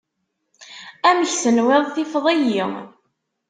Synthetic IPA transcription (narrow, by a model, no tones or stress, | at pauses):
æməçsənwɪðˤθifðˤijiŋ